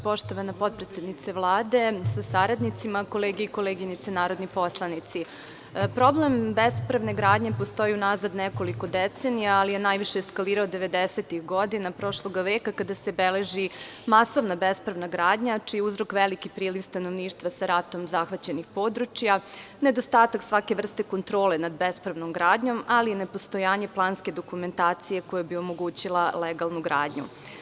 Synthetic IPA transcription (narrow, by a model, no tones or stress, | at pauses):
po̞ʃt̪o̞ʋanapo̞t̪̚pɾet̪sʲed̪nit̪seʋlˠaːd̪e̞sasaɾad̪nit̪simako̞leːɡijeiko̞leːɡienit̪senaːɾod̪nipo̞slˠanit̪si | pɾo̞blembespɾaʋne̞ɡɾaːd̪ɲepo̞st̪o̞jiunazad̪neko̞liko̞d̪et̪senijaːlijenajʋiʃeːskaliːɾaod̪eʋe̞d̪eset̪ixɡo̞d̪inapɾo̞ʃlˠo̞ɡaʋeːkakad̪asebeleʒimasoʋnabespɾaʋnaɡɾaːd̪ɲat͡ʃijeuzɾo̞kʋelikipɾiːliʋst̪ano̞ʋniːʃt̪ʋasaɾat̪o̞mzaxʋat͡ɕe̞nixpo̞d̪ɾut͡ʃjaned̪o̞st̪aːt̪aksʋake̞ʋr̩st̪e̞ko̞nt̪ɾo̞ːlenad̪be̞spɾaʋno̞mɡɾaːd̪ɲo̞malinepo̞st̪o̞jaːɲe̞plˠaːnske̞d̪okume̞nt̪aːt̪sije̞ko̞jebio̞mo̞ɡuːt͡ɕilˠaleɡalˠnuɡɾaːd̪ɲṵ